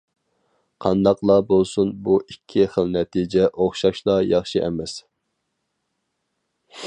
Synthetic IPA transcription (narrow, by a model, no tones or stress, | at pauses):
qʰɑnd̪ɑqlˠɑbolˠsunbuʔikʲʰːiχəlˠnɛt̪ʰid͡ʒɛʔoχʃɑʃlˠɑjɑχʃiʔɛ̰mɛs